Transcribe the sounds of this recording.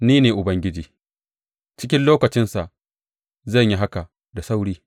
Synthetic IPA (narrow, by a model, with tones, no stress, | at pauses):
niː˦neː˨ʔʊ˨bɐ˦ŋɡʲɪ˦d͡ʒiː˨ | t͡ʃɪ˦kʲɪ˦nloː˦kɐ˨t͡ʃɪ˦nsa˨ʔ | zɐ˦˨ɲji˦ɦa˦ka˨ | da˨sa˦wɽiː˦